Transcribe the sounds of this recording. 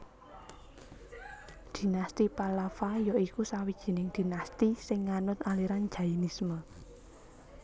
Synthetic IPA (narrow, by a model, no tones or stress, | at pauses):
d̪̥i̤nast̪ipalafajɔikusawid̥ʒ̥i̤nɪŋd̪̥i̤nast̪isɪŋːanʊt̪aliɾan̥d͡ʒ̥a̤inismə